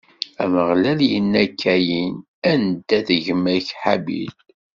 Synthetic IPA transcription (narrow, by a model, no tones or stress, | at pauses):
æməʁlæljənːækʰːæjin | ænd̪æðəʝəmːæçħabḭl